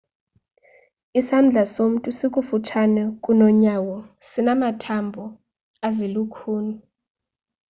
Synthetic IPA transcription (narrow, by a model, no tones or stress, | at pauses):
isand͡ɮʱasom̩tʼusik̬ʼufutʰanɛkʼunɔɲawɔsinamatʰambʱɔ | azilukʰuːnu